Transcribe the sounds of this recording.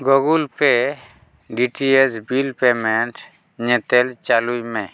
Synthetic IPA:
ɡɔɡulpe | ɖiʈiesbilpemɛnʈ | ɲɛt̪ɛlt͡ʃalujmɛ̃

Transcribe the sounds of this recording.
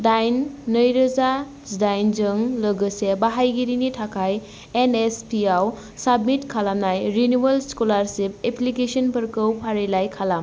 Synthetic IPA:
dajnːəjɾɐza | dajnd͡ʒɯŋlɯɡɯsebaɦajɡiɾinitʰakʰaj | enespiaw | sabmitkʰalamnajɾinuwelskolaɾsip̚eplikesɔnpɐɾkɯwpʰaɾelajkʰalam

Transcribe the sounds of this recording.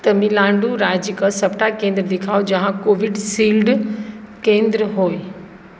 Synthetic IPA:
t̪ɐmĩlãːɳɖuɾaːd͡ʑɪkəsɐpʈakẽːnd̪ɾəd̪ɪkʰaːjod͡ʑɐ̃ɦãkoːʋɪɖsiːlɖ | kẽːnd̪ɾəɦoːe

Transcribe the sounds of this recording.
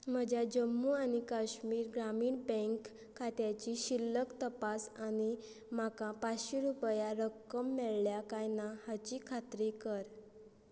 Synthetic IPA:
m̤əd͡ʑjad͡ʑəmːuañikaɕmiːɾɡɾamiːɳbɛ̃ŋkʰː | at̪jat͡ɕiɕilːəkt̪əpasañi | m̤akapaɕiɾupjaɾəkːəmːɛɭljakajnahat͡ɕiːkʰat̪ɾikəɾ

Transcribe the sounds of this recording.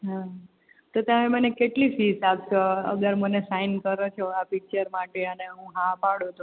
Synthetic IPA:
ɦã | t̪ot̪jamemənekeʈlifisapʃoə̰ɡəɾmənesainkəɾot͡ʃʰoapik̚t͡ʃəɾmaʈeəneɦũɦãpaɽot̪ũ

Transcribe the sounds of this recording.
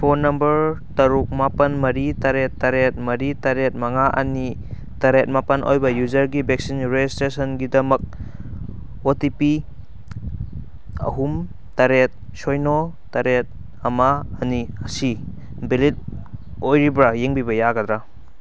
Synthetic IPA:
pʰonɐmbɐɾtɐɾuk̚mapɐnmɐɾitaɾetːaɾet̚mɐɾitaɾet̚maŋaʔɐ̰ni | taɾet̚mapɐnʔo̰jbɐjuzɐɾɡibek̚sinɾed͡ʒistɾesɔnɡidɐmɐk̚ | otipi | ɐ̰ɦum | taɾet̚ | sojnɔ | taɾet̚ | ɐmaːniɐsi | bilit̚ | ojɾibɾajeŋbibɐjaɡɐdɾa

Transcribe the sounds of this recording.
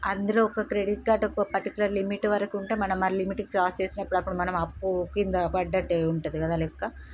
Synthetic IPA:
ɐnd̪ɐɾoːɔkɐkɾe̞ɽiʈ̚ɡaːʈɔkːɐpɐɾʈikjulɐɾlimiʈːʋɐɾɐkiuɳʈeːmɐnɐmːɐlimiʈikɾaːst͡ʃeːsinɐpːuɽɐpːuɽumɐnɐmɐpːukind̪ɐpɐɖːɐʈːeuɳʈund̪ikɐd̪aːlɛkːaː

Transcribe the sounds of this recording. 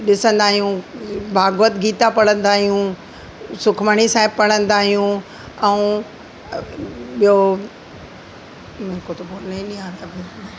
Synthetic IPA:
ɗɪsə̃nd̪aːɦijũbʱaːɡʋət̪ɡiːt̪apɐɽ̤ə̃nd̪aːɦijũ | sʊkʰməɽ̃isaːɦɪb̚pɐɽ̤ə̃nd̪aːɦijũ | ɛ̃ | ɓijo | mẽkot̪opoɾnɐĩɗĩaːɾjabe

